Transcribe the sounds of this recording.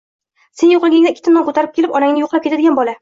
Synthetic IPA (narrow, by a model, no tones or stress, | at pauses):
se̞njoqlˠɡʲɪŋd̪aɪkʲʰːɪt̪ɪnɒŋkʰot̪ʰaɾɪp̚kʲelɪpɒnaŋnɪjoqʰlap̚kʰʲead̪ɪɡʲanbɒla